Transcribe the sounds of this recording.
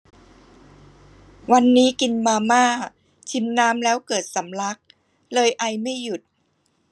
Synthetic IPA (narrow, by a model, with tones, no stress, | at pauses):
wa˧nːiː˦˥ki˧nmaː˧maː˥˩ | t͡ɕʰi˧mnaː˦˥mlɛː˦˥wkɤː˨˩t̪̚sa˩˦mla˦˥k̚ | lɤː˧jʔa˧jma˥˩jːu˨˩t̪̚